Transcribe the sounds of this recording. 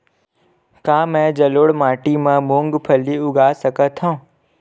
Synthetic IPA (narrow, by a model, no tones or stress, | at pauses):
kãːmɛ̃d͡ʑɐloːɽmaːʈimãmõːŋɡpʰɐliʊɡʱaːsɐkət̪ʰõː